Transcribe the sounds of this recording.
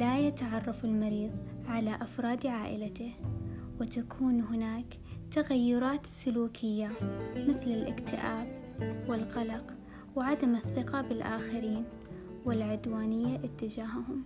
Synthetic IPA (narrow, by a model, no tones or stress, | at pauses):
lajat̪aʕɑrˤːɑfɪlmɑɾiːðˤʕalaʔafɾˤɑːd̪ʕaːʔɪ̰lat̪ɪhwɪt̪akʰuːnɦɪnaːk | t̪aɣajːʊɾˤɑːt̪sʊluːkʰɪjːamɪθlɪlʔɪ̰kt̪ɪʔaːb | wɪlqɑlɑq | wʕad̪amɪθːɪqɑbɪlʔa̰ːxɪɾiːn | wɪlʕʊd̪waːnɪjːaʔɪt̪ːɪd͡ʒaːhahʊm